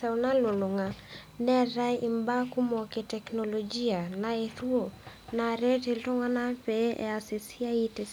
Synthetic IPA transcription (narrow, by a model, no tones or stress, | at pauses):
saunalulɔŋa | nɛɾaiʔimbakumɔketɛknɔlɔd͡ʒianaeθuɔnaɾɛteltɔŋanapɛʔɛ̰asisiaitɛs